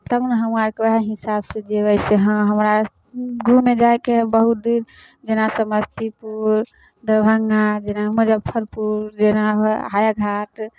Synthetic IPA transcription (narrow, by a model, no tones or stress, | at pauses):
t̪əmnɦəmaɾkeəɦaɦisabsẽd͡ʒeəɪseɦə̃ɦəmɾa | ɡʱũmed͡ʒaekebəɦut̪̚d̪iɾ | d͡ʒenasəməst̪ipuɾ | d̪əɾbʱəŋɡad͡ʒenaməd͡ʒəbpʰːəɾpuɾd͡ʒenabɦajaɡʱaʈ